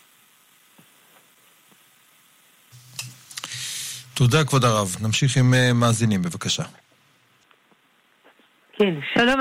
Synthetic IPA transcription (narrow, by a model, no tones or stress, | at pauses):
t̪od̪akvod̪aʁavnamʃiχimemaːzinimbevakaʃa | kʰenʃalom